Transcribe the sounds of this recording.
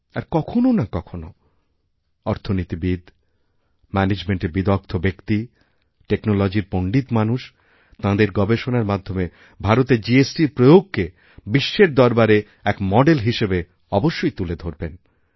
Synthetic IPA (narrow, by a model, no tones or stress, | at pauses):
a̰ɾkɔkʰononakɔkʰono | ɔɾt̪ʰonit̪ibid̪ | mɛned͡ʑmeɳʈebid̪ɔk̚t̪ʰobekt̪i | ʈeknolod͡ʑiɾpoɳɖit̪manuʃ | t̪ãd̪eɾɡɔbeʃonaɾmad̪ʱːome | bʱaɾot̪ed͡ʑiesʈiɾpɾojoɡ̚ke | biʃːeɾd̪ɔɾbaɾe | ɛkmɔɖelɦiʃebe | ɔboʃːojt̪uled̪ʱoɾben